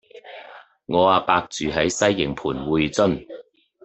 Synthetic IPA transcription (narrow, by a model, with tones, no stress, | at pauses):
ŋɔː˨˧aː˨˧paː˧k̚t͡syː˨ɦɐ˨˥jsɐ˥jːɪ˨˩ŋpʰuː˨˩nwuː˨˧jt͡sɵ˥n